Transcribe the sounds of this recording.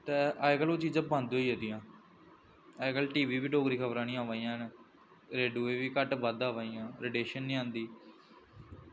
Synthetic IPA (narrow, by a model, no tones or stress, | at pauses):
t̪eːʔaːɡəloːt͡ʃiːd͡ʒãːbãːnd̪oːiːed̪ijãː | əɡəlʈiːʋiːʋiːɖoːɡɾiːkʰəbɾãːnĩːãːʋaːijãːn | ɾeːɖuːeːʋiːkəʈbəd̪aːʋaːiːãːɾeɖeːʃənːĩːãːnd̪iː